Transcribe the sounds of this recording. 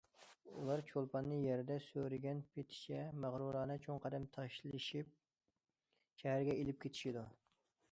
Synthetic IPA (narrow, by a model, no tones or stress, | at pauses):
ulˠɑɾt͡ʃʰolˠpʰɑnːɨjɛɾd̪ɛsøɾɪɡʲɛnpʰet̪ʰɪ̥t͡ʃʰɛmæʁɾuɾɑːnɨt͡ʃʰoŋqʰɑd̪ɛmt̪ʰɑʃlˠɨʃip̚ | ʃɛɦæɾɡʲɛelɪp̚kʲet̪ʰɪ̥ʃid̪u